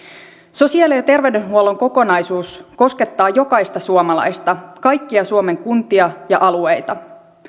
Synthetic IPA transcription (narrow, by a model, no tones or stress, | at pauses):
so̞siɑlejɑt̪e̞rʋeɥdønɦuolo̞ŋko̞ko̞nɑjsuːsko̞ske̞t̪ːɑːjo̞kɑjst̪ɑsuomɑlɑ̰jst̪ɑkɑjkːiɑsuome̞ŋkunt̪iɑjɑʔɑluejt̪ɑ